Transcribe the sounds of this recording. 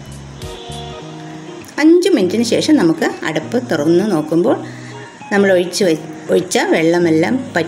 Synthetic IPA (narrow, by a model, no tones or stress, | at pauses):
ɐɲd͡ʑɨminitːinɨɕe̞ːʂɐmnɐmukːɨɐ̰ɽɐpːɨt̪irɐnːɨno̞ːkːumbo̞ːɭ | nɐmːɐɭ | oɻit͡ɕːɐʋeɭːɐme̞lːa̰ːmpɐ